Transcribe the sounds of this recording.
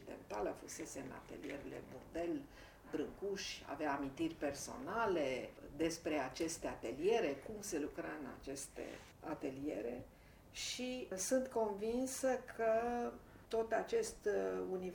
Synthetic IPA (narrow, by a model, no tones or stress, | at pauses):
id̪ḛnt̪aləfuse̞se̞ɨna̰t̪e̞̰lijeɾele̞̰burd̪e̞l | bɾɨŋkuʃʲa̰veaːmint̪irʲpe̞rso̞̰nale̞d̪e̞spɾe̞at͡ʃe̞st̪e̞at̪elije̞ɾe̞kumse̞lukɾaɨna̰t͡ʃe̞st̪e̞̰ | at̪e̞lie̞̰ɾe̞̰ | ʃisunt̪ko̞nvinsəkʰə | t̪o̞t̪at͡ʃe̞st̪uni